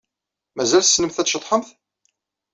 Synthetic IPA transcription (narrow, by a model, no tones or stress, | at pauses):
mæzælθəsːnəmθæt͡sʃət̪ˤːħəmθ